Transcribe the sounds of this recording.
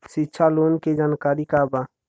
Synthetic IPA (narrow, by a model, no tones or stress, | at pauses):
ʃitːʃʰaloːnked͡ʒaːnkaːɾikaba